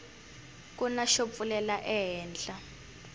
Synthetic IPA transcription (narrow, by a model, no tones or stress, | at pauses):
k̬ʼunaʃop̪fulɛlaʔɛɦɛːnɬa